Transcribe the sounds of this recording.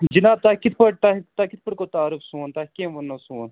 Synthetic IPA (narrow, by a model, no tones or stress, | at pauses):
d͡ʒinaːb̚t̪aːkit̪ʰpəʈ̚t̪at̪akɪt̪̚ʰpəʈkoːt̪aːɾufsuːnt̪aːkẽʋɐnːɐsuːn